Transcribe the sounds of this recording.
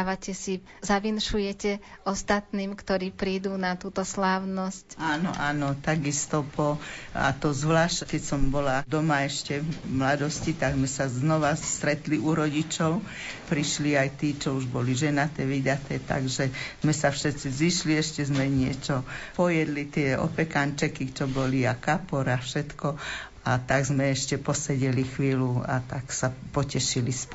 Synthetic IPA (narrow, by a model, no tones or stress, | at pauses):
aʋacɛsi | zaʋinʃujɛcɛɔst̪at̪niːmkt̪ɔɾiːpɾiːd̪uːnat̪uːt̪ɔslaːʊnɔscaːnɔ̰ʔaːnɔt̪aɡist̪ɔpɔa̰t̪ɔzʋlaːʃckɛcsɔmbɔlad̪ɔmaɛʃcɛmlad̪ɔscit̪aɡzmɛsaznɔʋast̪ɾɛt̪liʔuɾɔɟit͡ʃɔʊ | pɾiʃliajt̪iːt͡ʃɔuʒbɔliʒɛnat̪ɛʋid̪at̪ɛːt̪a̰ɡʒɛzmɛsafʃɛt͡siziʃliɛʃcɛzmɛɲɪɛt͡ʃɔpɔjɛd̪lit̪ɪɛɔ̰pɛkant͡ʃɛkit͡ʃɔbɔliakapɔɾafʃɛt̪kɔ | at̪aɡzmɛɛʃcɛpɔsɛɟɛlixʋiːlua̰t̪aksapɔcɛʃilisp